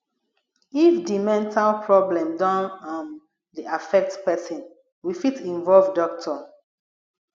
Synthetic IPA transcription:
ifdimɛ̃ntʰalpʰɹɔblɛ̃mdãnɔ̃n | diʔafɛk̚tpɛsĩn | wifitĩnvɔlvdɔk̚tʰɔ

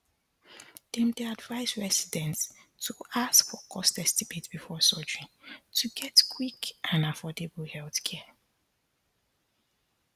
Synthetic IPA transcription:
d̥ɛ̃mdeadvaɪzɹɛsidɛ̃ntː | uaskfɔkʰɔstɛstibetb̥ifɔsɔd͡ʒɹĩŋtʰuɡɛtkʰwikʔãnafɔdebəhɛlθkʰɛə

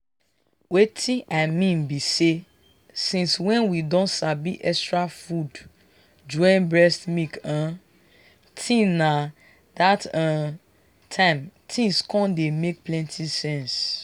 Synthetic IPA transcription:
wetʰĩʔaɪmĩnbise | sĩnswɛ̃nwidɔ̃ntsabiʔɛkstɹafud | d͡ʒɔ̃nbɹɛstmikã | tʰĩna | datã | tʰãɪ̃mtʰĩŋskʰɔ̃ndemek̚plɛ̃ntʰisɛ̃ns

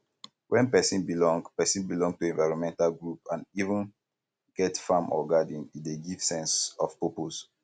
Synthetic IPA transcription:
wʔɛ̃npɛsĩnbilɔ̃ŋɡpɛsĩnbilɔ̃ŋɡ̚tuɛ̃nvaɪɹɔ̃nmɛ̃ntalɡɹupãnivə̃n | ɡ̥ɛtfãmʔɔ̰ɡadĩnideɡiv̥sɛ̃nsɔfpopos

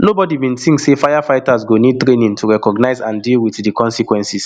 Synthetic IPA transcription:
nobɔdibĩnθĩŋksefajafaɪtazɡonid̚tɹenĩŋtʰuɹɛkɔɡnaɪzãndilˠwiθdikʰɔ̃nsikwɛ̃nsis

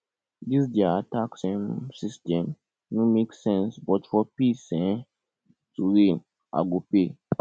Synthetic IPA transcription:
dis̬diaataksɛ̃msistɛ̃m | nũmeksɛ̃nsbɔtfɔpisɛ̃ | tuɾin | a̰ɡope

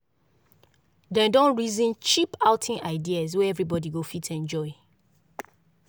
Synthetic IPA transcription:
dɛ̃dɔ̃nɹizĩnt͡ʃipaʊtʰĩnaɪdiaz̬wɛɛvɹibɔdiɡofitʰɛ̃nd͡ʒɔɪ

